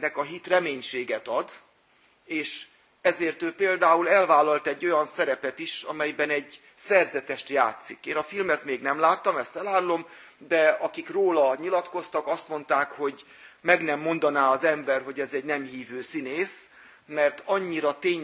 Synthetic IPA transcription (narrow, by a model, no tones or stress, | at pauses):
nɛkɒɦit̪rɛmeːɲʃeːɡɛt̪ɒd̪ | eːʃ | ɛzeːrt̪øːpeːld̪aːulɛlvaːlɒlt̪ɛɟːo̞jɒnsɛɾɛpɛt̪iʃɒ̰mɛjbɛnɛɟ | sɛrzɛt̪ɛʃt̪ja̰ːt̪sikeːnɒfilmɛt̪meːɡnɛmlaːt̪ːɒmɛst̪ɛlaːrlo̞m | d̪ɛɒkikroːlɒɲilɒt̪ko̞st̪ɒkɒst̪mo̞nt̪aːkho̞ɟ | mɛɡnɛmːo̞nd̪ɒnaːɒzɛmbɛrɦo̞ɟɛzɛɟnɛmɦiːvøːsineːs | mɛrt̪ɒɲːiɾɒt̪eːɲ